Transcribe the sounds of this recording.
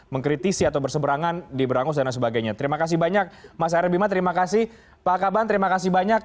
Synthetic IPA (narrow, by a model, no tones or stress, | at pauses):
məŋkɾit̪isiat̪awbərsəbəɾaŋandibəɾaŋʊs̬dandansəbaɡajɲat̪əɾimakas̬ɪhbaɲak̚mas̬aaɾɛbimat̪əɾimakasɪh | paakabant̪əɾimakas̬ihbaɲak̚